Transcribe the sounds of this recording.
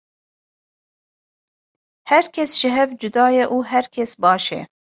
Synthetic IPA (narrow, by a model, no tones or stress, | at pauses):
hɛɾkʰɛsʒ̥ɪɦɛvd͡ʒʊd̪ɑːjɛʔuːɦɛɾkʲʰɛsbɑːʃɛ̰